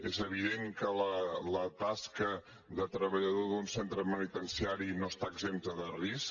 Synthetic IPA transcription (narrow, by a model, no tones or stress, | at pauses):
ezəβ̞iðeŋkələlət̪askə | ðət̪ɾəβəʎəðoðunsent̪ɾəmənit̪ənsiaɾinoəst̪aəɡzemt̪əðəris